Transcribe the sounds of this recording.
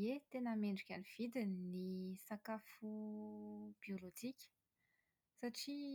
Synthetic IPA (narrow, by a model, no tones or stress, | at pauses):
et̪enəmeɳɖ͡ʐukʲaniv̥id̪innisakafu | b̥iolod͡ʒikʲə̥ | saʈ͡ʂi